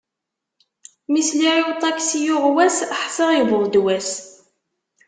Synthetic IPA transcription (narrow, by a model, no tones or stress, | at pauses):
misliʕowt̪ˤɑksijʊʁwæsħsˤɑʁjəvəld̪wæs